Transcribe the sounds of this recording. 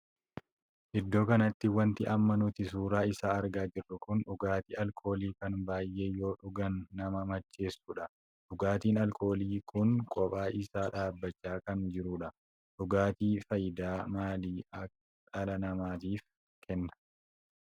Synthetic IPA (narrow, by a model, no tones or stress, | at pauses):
ʔɪd̪ːo̞ːkɐnɐt̪ːɪwɐnt̪ɪʔɐmːɐnʊt̪ɪsuːɾaːɪsaːɐɾɡaːd͡ʒɪrːʊkʊnᶑʊɡaːt̪iːɐlkʰo̞ːliːkɐnbaːjʔe̞ːjo̞ːᶑʊɡɐnːɐmɐmɐt͡ʃːe̞ːsːuːᶑɐ | ᶑʊɡaːt̪iːnɐlko̞ːliːkʊnkʼɔpʼaːʔɪsaːᶑaːbːɐt͡ʃːaːkɐnd͡ʒɪɾuːᶑɐ | ᶑʊɡaːt̪iːfɐjɪd̪aːmaːliːɐ | ᶑɐlɐnɐmaːt̪iːf | kʰɛnːɐ̥